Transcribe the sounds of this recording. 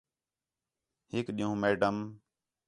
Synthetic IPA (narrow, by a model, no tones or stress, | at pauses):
hɪkɗĩːũːmeːɖəm